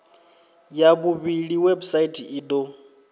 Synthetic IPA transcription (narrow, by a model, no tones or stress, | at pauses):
jabuβiɺiwebusaitʼʰiiːd̪o